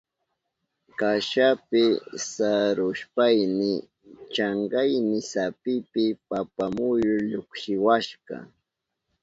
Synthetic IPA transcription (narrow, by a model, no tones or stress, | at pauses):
kaʃapɪsaɾʊʃpajnɪ | t͡ʃɑɴɢɑjnɪsapɪpɪpapamʊjʊɾʎokʃɪwaʃɢɑ̰